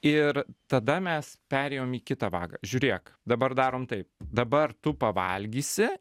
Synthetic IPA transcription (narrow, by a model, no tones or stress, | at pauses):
ɪɾt̪ɐd̪ɐmʲɛspʲæːɾʲɛːjoːmiːkʲɪt̪ɑʋɑ̰ːɡɑ̰ːʒʲuːɾʲiɛkd̪ɐbɐrd̪ɑːɾoːmt̪ɐɪp̚d̪ɐbɐrt̪ʊpɐʋɐ̰lʲɡʲiːsʲɪ